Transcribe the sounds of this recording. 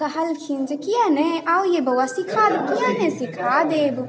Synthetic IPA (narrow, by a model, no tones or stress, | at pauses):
ɐhɐlkʰind͡ʒekijãneaːwjebɐwasikʰaːd̪ɐkijãnẽsikʰaːd̪eːb